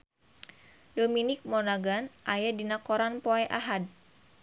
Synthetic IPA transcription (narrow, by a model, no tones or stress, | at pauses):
dominɪk̚mɔnaɡanʔajadinakoɾanpoɛʔa̰ɦad̚